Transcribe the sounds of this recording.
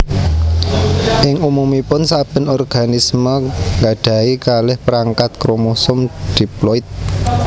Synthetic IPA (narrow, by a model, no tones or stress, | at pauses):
ʔɪŋumumipʊnsab̥ə̤nɔrɡ̥a̤nisməŋɡaɖ̥ä̤ikalɪhpəɾaŋkat̪̚kɾomosʊmɖ̥iplɔɪt̪̚